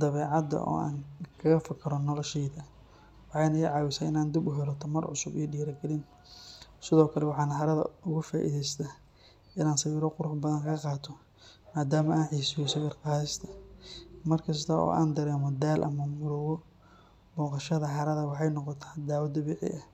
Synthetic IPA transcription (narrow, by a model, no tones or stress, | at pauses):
d̪ɐβɛːʕɑd̪ɐ̰ʔɔ̰ːa̰ːnkʰɐɣɐfɐkʰɐɾɔnɔlɔʃɛjðɐ | wɑħɑjnɐːʕɑːwɪsɐɪnaːnd̪ɪbʊɦɛlɔt̪ʰɐmɐrʕʊ̰sʊbḭjɖiːɾɐɡɐlɪn | sɪðɔːkʰɐlɛwɑħɑːnɐɦɐɾɐðɐ̰ʔʊɣʊfaːʔḭðɛjst̪ʰa | ɪnaːnsɐwiːɾɔqʊɾʊħbɐðɐnkʰɐqɑːt̪ʰɔ | maːd̪aːmɐʔaːnʕiːsɔsɐwiːrqɑːɪst̪ʰɐ̥ | mɐrkʰɐst̪ʰɐɔ̰ːʔa̰ːnd̪ɐɾɛːmɔd̪aːlʔɐ̰mɐmʊlʊwɔ | bɔːqɑʃɐðɐɦɐɾɐðɐwɑħɑjnɔqɔt̪ʰḁːd̪aːwɐd̪ɐbɛːʕɪ̰ʔɐ